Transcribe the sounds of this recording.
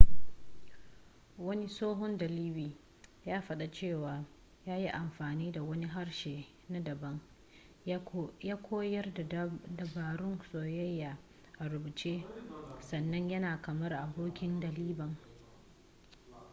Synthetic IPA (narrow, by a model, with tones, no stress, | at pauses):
wɐ˦ni˦soː˦ɦɔ˦ndɐ˨liː˦biː˨ | jaː˦ɸɐ˦ɗa˨t͡ʃeː˦˨waː˨ | jaː˦ji˦ʔa˨mɸaː˨niː˦da˨wɐ˦ni˦ɦa˦rʃeː˨ | na˦dɐ˨bɐ˦ŋ | jaː˦kʷʰoː˦jɐ˦rdɐ˨baː˨ɽʊ˦nsoː˨jɐ˦jːaː˨ | ʔa˨ɾʊ˨bu˨t͡ʃeː˦sɐ˨nːɐ˦ɲjɐ˦naː˨kɐ˨mɐ˦rʔa˨boː˦kʲɪ˦ndɐ˨liː˦bɐ˨ŋ